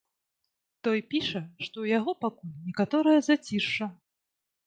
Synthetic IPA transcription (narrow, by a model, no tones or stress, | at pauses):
t̪ɔjpʲiʂɐʂt̪ɔwjaɣɔpakulʲnʲɛkat̪ɔɾɐjɐzat͡sʲiʂt͡ʂːɐ